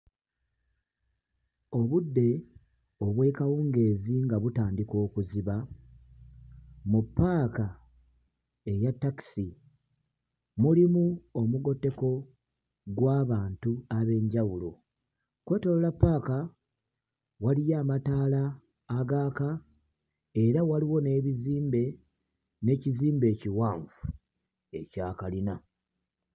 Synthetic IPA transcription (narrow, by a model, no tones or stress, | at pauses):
o̞βudːe̞ | o̞βwe̞ːkawuːŋɡe̞ːziŋɡaβutaːndiko̞ːkuziβa | mupːaːka | e̞jatːaki̥si | mulimuomuɡo̞tːe̞ko̞ | ɡwaːβaːntuaβe̞ːɲɟawulo̞ | kwe̞ːtololapːaːka | walijaːmataːlaː | ɡaːka | e̞ɾawaliwo̞ne̞ːβiziːmbe̞ | ne̞ːciziːmbe̞ːciwaːɱfu̥ | e̞̰caːkalina